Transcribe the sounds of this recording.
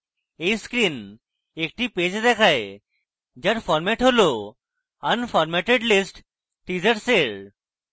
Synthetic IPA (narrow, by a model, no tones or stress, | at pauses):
eiskɾiːn | ek̚ʈiped͡ʑd̪ɛkʰaj | d͡ʑaɾfɔɾmɛʈʰɦolo | ənfɔɾmɛʈeɖlisʈ | ʈid͡ʑəɽseɭ